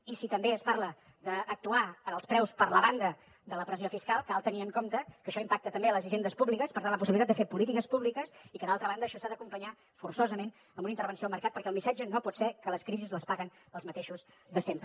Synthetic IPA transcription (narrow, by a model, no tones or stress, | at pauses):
isit̪əmbeəspaɾlə | d̪əːk̚t̪uaənəlˠspɾɛwspəɾləβand̪ə | d̪ələpɾəziofiskalˠkalˠt̪əniəŋkomt̪əkəʃɔimpak̚t̪ət̪əmbeələziʒend̪əspuβlikəspəɾt̪anləp̬usilit̪ad̪d̪əfepulit̪ikəspuβlikəsikəðalˠt̪ɾəβand̪əːʃɔsaðəkumpəɲa | fursozəmen | əmbunint̪əɾβ̞ənsioəlˠməɾkat̪̚pəɾkɛəlˠmisad͡ʒənopɔt̪sɛkələskɾizizləspaɣən | əlˠzmət̪eʃuz | ðəsempɾə